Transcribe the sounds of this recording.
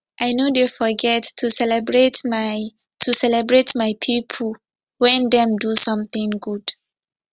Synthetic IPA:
ʔaɪnodefɔɡɛtʰːusɛlɛbɹetm | tʰusɛlɛbɹetmaɪpʰipʰəl | wɛ̃ndɛ̃mdusʌ̃mθɪ̃ŋɡud̥

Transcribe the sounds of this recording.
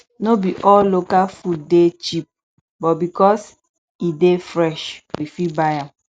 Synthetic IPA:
nobiʔɔlokafudet͡ʃip̚ | bɔbikɔs | idefɾɛʃwifibajãm

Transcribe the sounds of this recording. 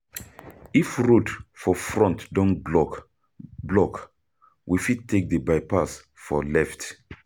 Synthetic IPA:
ifɹutfɔfɹɔ̃ntdɔ̃nbɔ | blɔk | wʔifid̚tʰːek̚dəbaɪpas | fɔlɛft

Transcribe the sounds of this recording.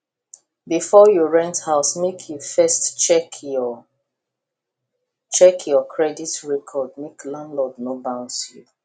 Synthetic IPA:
bifɔjuɹɛ̃nthaʊsmekʰjufɛstt͡ʃɛk | t͡ʃɛkʰjɔkʰɹɛditɹɛkʰɔd̚meklãnlɔdnobãʊ̃nsju

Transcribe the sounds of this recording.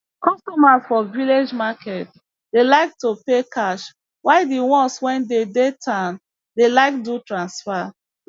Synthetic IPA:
kɔstɔmasfɔviled͡ʒmakʰɛt | delaɪk̚topekaʃ | waɪdiwɔ̃nswɛ̃ndedetʰan | delaɪk̚dutɹãnsfa

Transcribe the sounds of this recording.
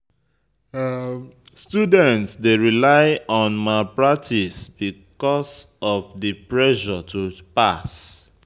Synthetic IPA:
studɛ̃ntsdeɹilaɪɔ̃nmapɹak̚tʰisbikɔsɔfdipɹɛʃɔtʰupas

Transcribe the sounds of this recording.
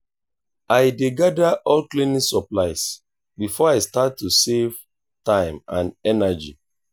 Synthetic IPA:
ajdeɡadaʔɔlklinĩŋsɔplaɪs | bifɔaɪstattːusev̥ | tãɪ̃mãnɛnad͡ʒḭ

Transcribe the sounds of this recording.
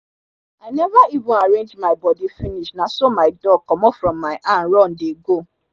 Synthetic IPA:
aɪnɛvaibũaɾẽnd͡ʒmaɪbɔdifiniʃnasomaɪdɔkɔmɔfɾɔ̃mːaɪʔãnɾɔ̃n̩deɡo

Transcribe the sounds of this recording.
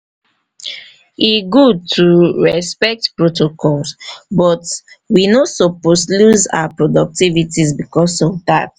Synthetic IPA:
iɡud̚tʰuɹɛspɛk̚tpɹotokʰɔlsbɔt | winosɔposluza̰wapɹɔdɔk̚tivitizbikɔsɔvda̰t

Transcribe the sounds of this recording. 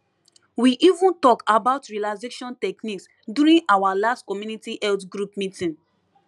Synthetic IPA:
wiʔivũntɔkabaʊtɹialaɪzeʃɔ̃ntɛkniks | djuɾĩnawalastkɔmjunitiʔɛltɡɹupmitĩn

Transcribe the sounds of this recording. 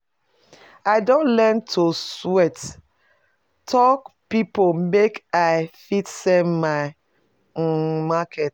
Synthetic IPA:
aɪdõntlɛntʰoswɛt | tʰɔkpipomekaɪfitsɛmmaɪ | makʰet

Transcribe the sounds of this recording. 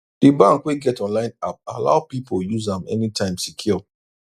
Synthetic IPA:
d̥ibãŋkweɡɛtɔ̃nlãɪ̃nap̚ala̰ʊpipojuzãmɛ̰nitʰãɪ̃msikʰjɔ

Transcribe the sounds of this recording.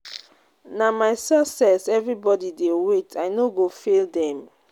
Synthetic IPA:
namaɪsɛsɛsɛvɹibɔdidewetʰaɪnoɡofeldɛ̃m

